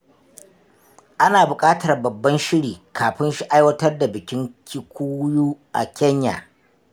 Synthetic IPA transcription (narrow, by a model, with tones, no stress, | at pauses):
ʔa˦naː˨bʊ˨kʼaː˦tɐ˨rbɐ˨bːɐ˦nʃɪ˦ɽiː˨kʰaː˨ɸɪ˦nʃi˦ʔa˦jwɐ˦tɐ˦rda˨bɪ˨kʲɪ˦ŋkʲʰi˦kʷuː˦juː˦ʔa̰˨kʲʰɛ˦ɲja̰ː˨